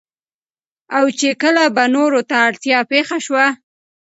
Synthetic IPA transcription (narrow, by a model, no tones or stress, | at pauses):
awt͡ʃekəlabanoɾot̪aːɽt̪jɑpexaʃwa